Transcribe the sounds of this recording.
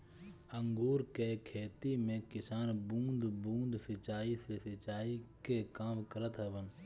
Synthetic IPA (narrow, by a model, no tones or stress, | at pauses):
əŋɡuːɾkekʰeːt̪imẽkɪsaːnbũːnd̪bũːnd̪sɪt͡ʃaːisesɪt͡ʃaːikekaːmkəɾət̪ɦɛʋən